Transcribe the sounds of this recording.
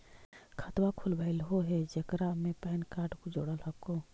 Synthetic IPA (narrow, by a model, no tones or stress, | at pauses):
kʰət̪wakʰʊlbailɦoɦɛd͡ʒəkɾamẽpɛɪnkaːɾɖkod͡ʒoːɽəlɦəko